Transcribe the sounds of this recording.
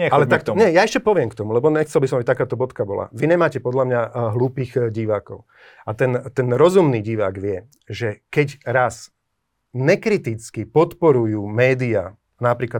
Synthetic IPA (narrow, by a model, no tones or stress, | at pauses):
allɛak̪ɲɛjaɛʃcɛpɔʋɪɛmkt̪ɔmulɛbɔɲɛxt͡sɛlbisɔmabit̪akaːt̪ɔbɔt̪kabɔla̰ʋiɲɛmaːcɛpɔd̪lamɲaɦluːpiːɣɟiʋaːkɔ̰ʊ | at̪ɛnt̪ɛnɾɔzumniːɟiʋaːɡʋɪɛ | ʒɛkɛɟɾas | ɲɛkɾit̪it͡skipɔt̪pɔɾujuːmɛːd̪ia | napɾiːkla